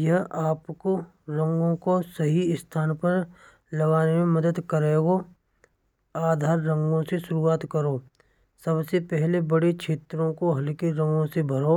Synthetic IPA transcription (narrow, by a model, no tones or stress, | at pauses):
jɐɦaːpko | ɾɐ̃ŋɡõkosɐɦiɪst̪ʰaːnpɐɾ | lɐɡaːnemẽmɐd̪əd̪kəɾeːɡo | aːd̪ʱaːɾːɐ̃ŋɡõseʃʊɾuaːt̪kəɾoː | sɐbsepɛɦlebɐɽet͡ʃʰeːt̪ɾõkoɦɐlkeɾɐ̃ŋɡõsebʱɐɾoː